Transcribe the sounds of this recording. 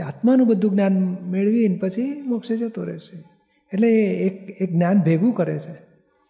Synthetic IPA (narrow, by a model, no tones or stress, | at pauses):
at̪manũbəd̪ʱũɡnjanmeɭʋiənpət͡ʃʰimɔkʃed͡ʒət̪oɾɛ̰ʃe | eʈleːkek̚ɡnjanbʱeɡʋũkəɾet͡ʃʰe